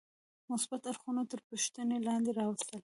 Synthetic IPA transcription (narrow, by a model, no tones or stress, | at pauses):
mʊsbat̪aɾxunat̪əɾpuʃt̪ənelɑnd̪eɾɑwəst̪əl